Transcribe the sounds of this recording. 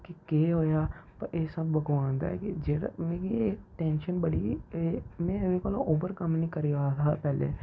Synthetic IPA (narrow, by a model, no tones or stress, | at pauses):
kikeːɦoːjaːpɐɾʔeːsəbːəɡʋãːnd̪a̰ɛkid͡ʒeːɽa̰mẽːɡieʈɛ̃ːnʃənbəɽiːeːmɛ̃ʋekoːlo̰ʔoːbəɾkəmnĩːkəɾiaːt̪ʰapɛːlḛː